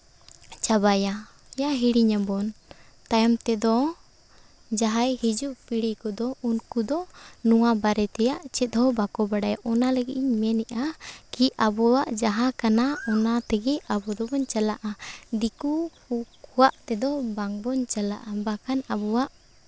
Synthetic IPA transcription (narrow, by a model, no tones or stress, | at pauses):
t͡ʃabaja | jaɦiɽiɲabɔnt̪ajamt̪ɛd̪ɔ | d͡ʒaɦajhid͡ʒuʔpiɽikɔd̪ɔunkud̪ɔnuwabaɾɛt̪ɛjaʔt͡ʃɛt̪̚ˀhɔbakɔbaɽajʔɔnaləɡiʔiɲmɛnɛʔakiabɔwaʔd͡ʒaɦakanaɔnat̪ɛɡɛabɔd̪ɔbɔɲt͡ʃalaʔad̪iku | kuwaʔt̪ɛd̪ɔbaŋbɔɲt͡ʃala̰ʔabakanabɔwaʔ